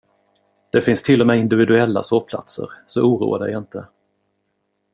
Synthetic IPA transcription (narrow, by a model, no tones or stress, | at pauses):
d̪̥ɛfɪnst̪ʰɪlːɔmɛːɪnd̪ɪvɪd̪ɵɛlːa̰soːpʰla̰t̪sə̰ɾsɔʔuːɾṵːa̰d̪ə̰jaɪnt̪ə